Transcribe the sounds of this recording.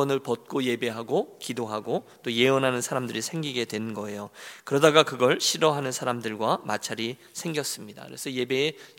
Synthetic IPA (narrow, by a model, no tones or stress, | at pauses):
ʌnɯɭpʌt̚k͈oje̞be̞ɦaɡokidoɦaɡot͈oje̞ʌnɦanɯnsʰaɾamdɯɾisʰe̞ŋɡiɡe̞dwe̞nɯnɡʌe̞jokɯɾʌdaɡakɯɡʌɭɕʰiɾʌɦanɯnsʰaɾamdɯɭɡwama̰t͡ɕʰaɾi | sʰe̞ŋɡjʌs͈ɯmɲida̰kɯɾesʰʌje̞be̞ː